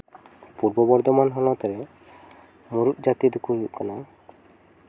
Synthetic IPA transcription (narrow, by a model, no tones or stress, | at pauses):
puɾbɔbɔɾd̪ɔmanɦɔlɔt̪ɔɾe | muɾut̪̚d͡ʒat̪id̪ukʰuɦuʔkɔnɔ